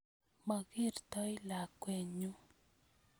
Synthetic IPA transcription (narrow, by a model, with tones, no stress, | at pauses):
ma˨ɡi˦˨ɾt̪ɔ˦i˦la˨kwe˨ɲu˦